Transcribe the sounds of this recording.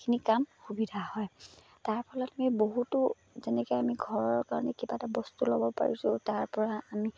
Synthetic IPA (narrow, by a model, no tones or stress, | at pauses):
kʰinikamxubidʱahɔj | taɹpʰɔlɔtamiboɦutʊ | zɛnɛkɔjamiɡʱɔɹɔɹkaɹɔnɛkibatabɔstulo̰bɔpa̰ɹḭsʊ̃taɹpɔɹaːmi